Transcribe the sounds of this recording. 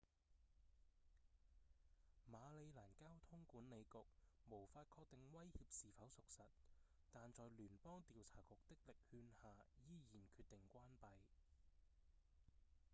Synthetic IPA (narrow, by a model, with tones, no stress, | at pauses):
maː˨˧le˨˧jlaː˨˩nkaː˥wt̪ʰʊ˥ŋkuː˨˥nne˨˧jkʊ˨k̚mo˨˩wfaː˧t̚kʰɔː˧k̚t̪ɪ˨ŋwɐ˥jhiː˧p̚siː˨fɐ˨˥wsʊ˨k̚sɐ˨t̚ | t̪aː˨nt͡sɔː˨jlyː˨˩npɔː˥ŋt̪iː˨wt͡sʰaː˨˩kʊ˨k̚t̪ɪ˥k̚lɪ˨k̚hyː˧nhaː˨jiː˥jiː˨˩nkʰyː˧t̪̚ɪ˨˩ŋkʷaː˥npɐ˨j